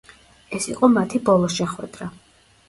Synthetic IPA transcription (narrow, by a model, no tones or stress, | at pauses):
ɛsiqʼɔmat̪ʰibɔlˠɔʃɛχwɛ̰d̪ɾa